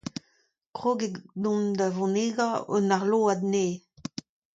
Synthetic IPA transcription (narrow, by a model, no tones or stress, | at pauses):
kʁoɡed̪ɔ̃nd̪avɔ̃neɡao̰naʁloːad̪neː